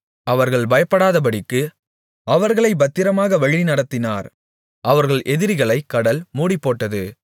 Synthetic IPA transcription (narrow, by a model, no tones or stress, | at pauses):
ɐʋɐɾɣɐɭbɐjɐpːɐɽaːðɐp̬ɐɽɪkːɯ | ɐʋɐɾɣɐɭɐɪbɐt̪ːɪɾɐmaːɣɐʋɐɻinɐɽɐt̪ːɪna̰ːɾ | ʔɐʋɐɾɣɐɭʔɛðɪɾɪɣɐɭɐɪkːɐɽɐlmuːɽipːoːʈːɐðɯ